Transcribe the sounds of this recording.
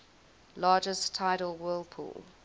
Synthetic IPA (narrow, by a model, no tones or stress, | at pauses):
lɑːd͡ʒəstʰaɪɾəl̩ˠwɜːlˠpʰṵːl